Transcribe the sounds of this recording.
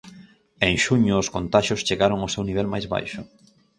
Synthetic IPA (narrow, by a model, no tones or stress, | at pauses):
eŋʃuɲʊːskont̪aʃʊst͡ʃeɣaɾoŋʊsewniβ̞ɛlmajzβa̰jʃʊ